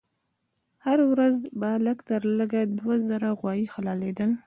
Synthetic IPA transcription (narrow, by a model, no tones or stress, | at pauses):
haɾawɾazbaləkt̪əɾləɡad̪wazəɾaɣwɑjixalɑled̪əl